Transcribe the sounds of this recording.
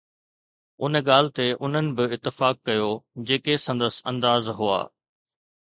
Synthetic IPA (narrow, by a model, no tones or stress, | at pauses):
ʊnəɠaːlɪ̆t̪eʔʊn̤ənɪ̆bɪɪt̪ːɪfaːkːɐjod͡ʑeːkesɐ̃nd̪əsɐ̰̃nd̪aːzɦʊa̰ː